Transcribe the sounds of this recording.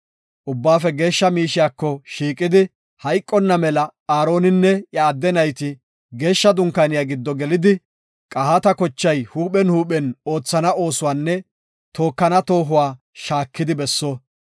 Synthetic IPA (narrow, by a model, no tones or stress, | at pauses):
ʔʊbːaːfɛɡe̞ːʃːɐmiːʃɪjaːkːɔʃiːkʼɪd̪ɪ | hɐjkʼːɔnːɐmɛlɐaːɾo̞ːnɪnːɛjɐːd̪ːɛnɐjt̪ɪ | ɡe̞ːʃːɐd̪ʊŋkːanɪjaːɡɪd̪ːɔɡɛlɪd̪ɪ | kʼɐhɐt̪ɐkɔt͡ʃːɐjhuːɓɛnhuːɓɛno̞ːt͡sːɐnɐo̞ːsʊwaːnːɛ | t̪o̞ːkːɐnɐt̪o̞ːɦʊwaː | ʃaːkːɪd̪ɪbɛsːo